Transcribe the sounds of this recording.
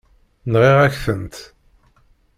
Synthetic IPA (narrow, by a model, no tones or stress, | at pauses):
nʁiʁæçθənt̪